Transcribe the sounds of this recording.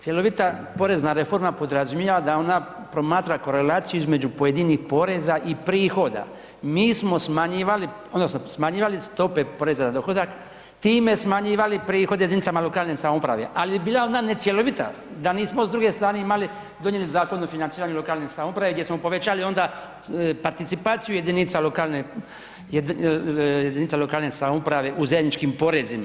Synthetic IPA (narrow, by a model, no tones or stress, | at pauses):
t̪sʲje̞lo̞ʋit̪apo̞ɾe̞znaɾe̞fo̞ɾmapo̞d̪ɾazumjeʋad̪ao̞na | pɾo̞maːt̪ɾako̞ɾe̞laːt̪sijuizme̞d͡ʒupo̞je̞d̪inixpo̞ɾe̞zaʔipɾiːxo̞d̪a̰ | miːsmo̞smaɲiːʋali | od̪nosno̞smaɲiːʋalist̪o̞pe̞po̞ɾe̞zazad̪o̞xo̞d̪ak | t̪iːme̞smaɲiːʋalipɾiːxo̞d̪eed̪init̪samalo̞kaːlnesamopɾa̰ʋeʔalibiːlao̞nd̪ane̞t̪sjeloʋit̪a̰ | d̪aniːsmozd̪ɾuɡe̞st̪ɾaːne̞imali | d̪o̞ɲe̞lizaːko̞nːofinant̪iːɾaɲelo̞kaːlnesamopɾaʋeɡd̪jesmo̞po̞ʋe̞t͡ɕaːlio̞nd̪a | paɾt̪it̪sipaːt̪sijuje̞d̪init̪salokalne | jed̪init̪salokaːlnesamopɾaʋe̞ʔuzajed̪ʲnit͡ʃkimpo̞ɾezima